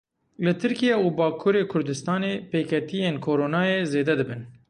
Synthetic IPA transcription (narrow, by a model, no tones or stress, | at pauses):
lɨt̪ʰɨɾkijɛubɑːkʰuːɾeːkʰʊɾd̪ɨst̪ɑːneːpeːkʰɛt̪ijeːnkʰoːɾoːnaːjeːzeːd̪ɛd̪ɨbɨn